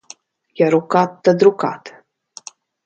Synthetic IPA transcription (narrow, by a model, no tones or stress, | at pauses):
jaɾukat̪ːad̪ɾuka̰t̪